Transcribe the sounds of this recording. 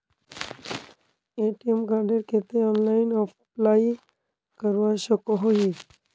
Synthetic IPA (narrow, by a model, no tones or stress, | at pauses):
eʈiemkaɾɖeɾkʰet̪eɔnlainɔ | plai | kəɾʋaʃəkoɦoɦi